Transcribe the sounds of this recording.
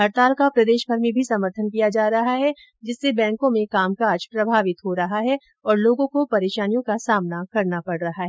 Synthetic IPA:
ɦɐɾt̪aːlkapɾɐd̪eːʃbʱɐɾmẽbʱisɐməɾt̪ʰənkijad͡ʒaːɾɐɦaɦɛ | d͡ʒɪsːebɛ̃ːŋkõmẽkaːmkaːd͡ʒpɾɐbʱaːʋɪt̪ɦoɾɐɦaɦɛ | ɔːɾloːɡõkopɐɾeːʃaːnijõkasaːmnakɐɾnapɐɽɾɐɦaɦɛː

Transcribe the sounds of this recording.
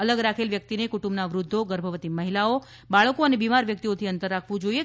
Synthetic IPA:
ələɡɾakʰelʋjək̚t̪inekuʈũmbnaʋɾʊd̪ʱːoɡəɾbʱəʋət̪iməɦilao | baɭkoənebimaɾʋjək̚t̪iot̪ʰiənt̪əɾːakʰʋũd͡ʒoie

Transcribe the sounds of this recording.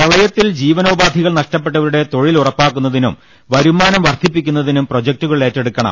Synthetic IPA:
pɐɭɐjɐt̪ːild͡ʑiːʋɐno̞ːbaːd̪ʱiɣɐɭnɐʂʈɐp̬ːe̞ʈːɐʋɐɾuɽe̞t̪o̞ɻilurɐpːaːkːunːɐðinṵm | ʋɐɾumaːnɐmʋɐrt̪ʰipːikʲːun̪ːɐðinumpro̞d͡ʑɐk̚tuɣɐɭe̞ːtːe̞ɽukːɐɳɐ̰m

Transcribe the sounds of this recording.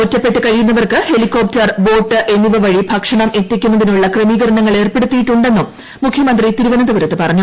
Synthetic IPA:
otːɐpːe̞ʈːɨkɐɻijunːɐʋɐrkɨhe̞likːo̞ːp̚tɐrbo̞ːʈːɨʔe̞nːiʋɐʋɐɻibʱɐkʂɐɳɐme̞t̪ːikʲːunːɐðinuɭːɐkremiːɡɐɾɐɳɐŋːɐɭe̞ːrpe̞ɽut̪ːijiʈːuɳɖe̞nːum | mukʰjɐmɐnd̪rit̪iɾuʋɐnɐd̪ɐʋɐɾɐt̪ːɨpɐrɐɲːu

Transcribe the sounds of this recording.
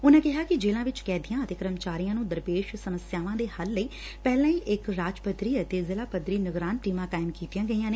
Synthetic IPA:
ʊnãːkɪɦaːkɪd͡ʒeːlãːʋɪt͡ʃkɛːd̪ijãːət̪eːkəɾəmt͡ʃaːɾijãːnũːd̪əɾpeːʃsəməsjaːʋãːd̪eːhəlːəiː | pɛːlãːiːʔɪkɾaːd͡ʒpət̪ɾiːət̪eːzɪlaːpəd̪ɾiːnəɡɾaːnʈiːmãːkaːɪmkiːt̪ijãːɡəijãːneː

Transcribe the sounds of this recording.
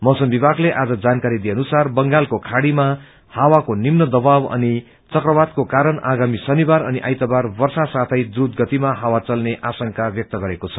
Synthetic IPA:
mʌsʌmbibaɡleʔad͡zʌd͡zankaɾid̪ijeʌnusarbʌŋɡalkokʰaɽima | hawakonimnʌd̪ʌbawʌ̰ni | t͡sʌkrʌbad̪̚kokaɾʌɳaɡamisʌnibaɾʌniʔa̰jt̪ʌbarbʌrsasat̪ʰʌjd̪rud̪ɡʌt̪imaɦawat͡sʌlneʔasʌŋkabjʌk̚t̪ʌɡʌɾekot͡sʰʌ̥

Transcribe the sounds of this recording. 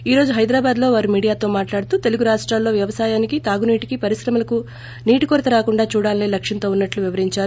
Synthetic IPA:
iːɾo̞ːd͡ʒuɦɐjd̪ɾaːbaːd̪lo̞ːʋaːɾumiːɽijaːt̪o̞ːmaːʈlaːɽt̪uːt̪e̞luɡuɾaːʂʈɾaːlːo̞ːʋjɐʋɐsaːjaːnikit̪aːɡuniːʈikipɐɾiʃɾɐmɐlɐku | niːʈikoɾt̪ɐɾaːkuɳɖaːt͡ʃuːɽaːnleːlɐkʂɐnt̪oːunːɐʈluʋiʋɐɾiɲt͡ʃaːɾu

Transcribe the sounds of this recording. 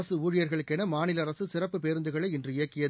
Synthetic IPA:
ɐsɯuːɻɪjɐɾɣɐɭɯkːɛnɐmaːnɪlɐɾɐsɯsɪrɐpːɯpeːɾɯnd̪ɯɣɐɭɐɪɪndrɯɪjɐkːɪjɐð

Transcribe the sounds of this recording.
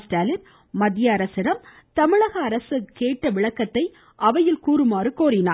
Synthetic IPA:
sʈaːlɪɾ | mɐðɪjaɐɾɐsɪɾɐm | t̪ɐmɪɭɐɣɐːɾɐsɯkeːʈːɐʋɪɭɐkːɐt̪ːɐɪ | ʔɐʋɐjɪlkuːɾɯmaːɾɯkoːɾɪna̰ː

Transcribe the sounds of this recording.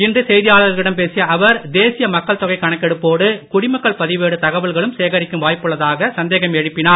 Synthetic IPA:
ɪndrɯsɛjðɪjaːɭɐɾɣɪɽɐmpeːsɪjɐɐʋɐɾd̪eːsɪjɐmɐkːɐɭt̪ɔɣɐɪkːɐɳɐkːɛɽɯpːoːɽɯkʊɽɪmɐkːɐɭpɐðɪʋeːɽɯt̪ɐɣɐʋɐɭɣɐɭɯmseːɣɐɾɪkːɯmʋaːjpːɯɭːɐðaːɣɐsɐnd̪eːɣɐmɛɻɯpːɪnaːɾ

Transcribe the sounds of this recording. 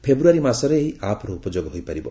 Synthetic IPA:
pʰebɾuaɾimasɔɾeːɦiʔapʰɔɾɔupɔd͡ʒoɡɔɦojpaɾibɔ̰

